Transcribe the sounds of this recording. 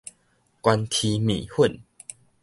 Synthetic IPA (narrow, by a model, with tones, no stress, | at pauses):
kwa˧nt̪ʰi˧mḭ̃˨hu˥˨n